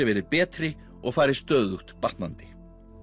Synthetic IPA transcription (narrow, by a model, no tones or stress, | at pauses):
ɪvɛːɾɪðpɛːt̪ɾɪ | ɔɣfaːjɾɪst̪œːðuht̪pḁt̪nant̪ɪ̥